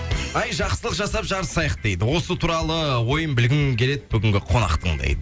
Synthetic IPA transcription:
ɑjʒɑqsəlˠəqʒɑsɑpʒɑɾəsːɑjəqd̪e̞jd̪ɪwo̞sət̪ʰuɾɑlˠəwo̞jəmbɪlɡʲɪmkʲʰe̞ɾe̞d̪ɪbʏɡʲɪŋɡʲɪqʰo̞nɑ̰qt̪əɴd̪ḛjd̪ə

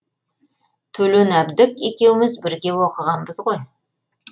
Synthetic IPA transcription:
t̪ʰɵlɵnæbd̪ɪkʲekʲe̞wɪmɪzbɪɾɡʲe̞woqəʁɑnbəzʁoj

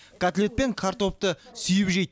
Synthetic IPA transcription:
kʰat̪lʲe̞t̪̚pe̞ŋkʰaɾt̪o̞p̚t̪əsʏjɪpʒej̪

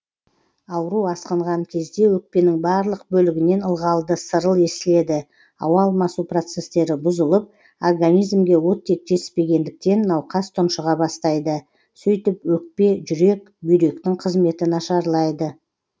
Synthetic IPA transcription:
ɑwɾuɑsqəɴʁɑŋkʲʰe̞zd̪e̞wɵk̚pe̞nɪŋbɑɾlˠəq̚bɵlɪɡʲɪne̞nəlˠʁɑlˠd̪əsəɾəlˠe̞sɪle̞d̪ɪ | ɑ̰wɑlˠmɑsupro̞t̪se̞st̪e̞ɾɪbʊzəlˠəp̚ | orɡanijzmɡʲe̞wo̞t̪ʰːe̞k̚t̪ʰe̞spe̞ɡʲe̞nd̪ɪk̚t̪e̞nːɑwqʰɑst̪ʰʊnʃəʁɑbɑst̪ɑjd̪ə | sɵjt̪ɪpwɵk̚pe̞ʒʏɾe̞k̚ | bʏjɾe̞kt̪ɪŋqʰəzme̞t̪ɪnɑʃɑɾlˠɑjd̪ə

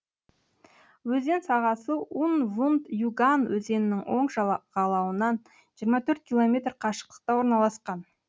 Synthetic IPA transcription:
wɵze̞nsɑʁɑsəʔunvund̪juɡanwɵze̞nɪnɪŋwo̞ɴʒʁ̥ɑlˠɑwənɑn | ʒ̥ijəɾmɑt̪ʰɵɾt̪̚kʲilˠo̞mʲe̞t̪rqʰɑʃə̥q̚t̪ə̥q̚t̪ɑwoɾnɑlˠɑsqɑn

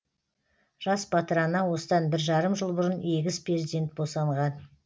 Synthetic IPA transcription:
ʒ̥ɑsbɑt̪əɾɑnɑwo̞səd̪ɑnbɪɾʒɑɾəmʒəlˠbʊɾəneɡʲɪzpʰrezd̪ije̞nt̪̚bosɑɴʁɑn

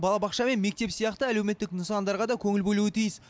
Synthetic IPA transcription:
bɑlˠɑbɑqʃɑme̞nme̞k̚t̪e̞psijɑqt̪əælewme̞t̪ːɪknəsɑnd̪ɑɾʁɑd̪ɑkʲʰɵŋɪlbɵluɪt̪ʰijɪs

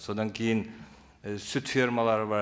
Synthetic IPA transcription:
sod̪ɑŋkʲʰejɪn | sʉt̪fiɾmalˠɑɾəβɑ

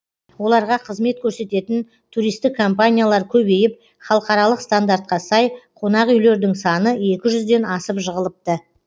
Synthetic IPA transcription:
wo̞lˠɑɾʁɑqʰəzme̞t̪̚kʲʰɵɾse̞t̪e̞t̪ɪn | t̪ʰuɾijst̪ɪkʰːo̞mpanʲijalˠɑɾkʲʰɵbe̞jɪp̚ | χɑlˠəqɑɾɑlˠəqst̪and̪aɾt̪̚qɑsɑjqʰo̞nɑqʏjle̞ɾd̪ɪŋsɑnəe̞kʲɪʒʏzd̪e̞nɑsəpʒəʁəlˠəp̚t̪ə

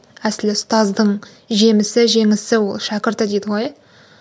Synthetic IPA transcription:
æsɪlɪst̪ɑzd̪əɴ | ʒe̞mɪsɪʒe̞ŋɪsɪwo̞lˠʃækʲɪɾt̪əd̪ejd̪əʁoj

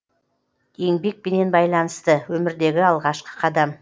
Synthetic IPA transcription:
e̞ŋbe̞k̚bene̞nbɑjlˠɑnəst̪əwɵmɪɾd̪e̞ɡʲɪɑlˠʁɑʃqə̥qʰɑd̪ɑm

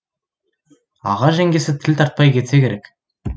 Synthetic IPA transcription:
ɑ̰ʁɑʒæŋɡʲe̞sɪt̪ʰɪlʲt̪ʰɑɾt̪̚pɑjkʲʰe̞t̪se̞kʲe̞ɾekʲ

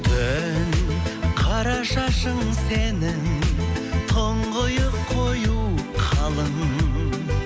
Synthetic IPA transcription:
d̪ɪnqʰɑɾɑʃɑʃəɴse̞nɪŋ | t̪ʰoɴʁʊjəqʰːo̞juqʰɑlˠəɴ

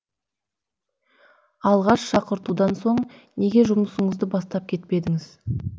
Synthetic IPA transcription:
ɑlˠʁɑʃʃɑqəɾt̪ud̪ɑnso̞ɴne̞ɡʲe̞ʒʊməsəɴəzd̪əbɑst̪ɑp̚kʲʰe̞t̪̚pe̞d̪ɪŋɪz

